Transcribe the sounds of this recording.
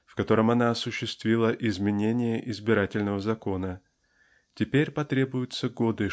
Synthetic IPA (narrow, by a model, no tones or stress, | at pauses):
fkɐt̪o̞ɾəmɐnaɐsʊɕːɪst̪vʲilˠəʔɪzmʲɪnʲenʲɪjəʔɪzbʲɪɾatʲɪlʲnəvəzɐko̞nə | tʲɪpʲeɾʲpɐt̪ɾʲe̞bʊjʊt̪səɡod̪ɨ